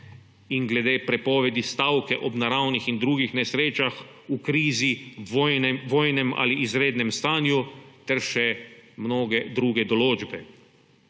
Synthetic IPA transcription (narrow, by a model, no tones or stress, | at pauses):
inɡlɛd̪eːpɾɛpɔːʋɛd̪ist̪awkɛʔɔbnaɾawnixind̪ɾuːɡixnɛsɾeːt͡ʃaxukɾiːzinʋoːjnɛma̰ːliʔːzɾeːd̪nɛmst̪aːnjut̪ɛɾʃɛmnoːɡɛd̪ɾuːɡɛd̪ɔloːd͡ʒbɛ